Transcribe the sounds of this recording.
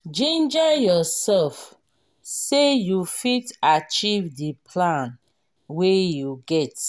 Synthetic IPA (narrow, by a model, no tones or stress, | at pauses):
d͡ʒẽnd͡ʒajɔsɛlf | sejufitat͡ʃivdipʰlãn | wejuɡɛt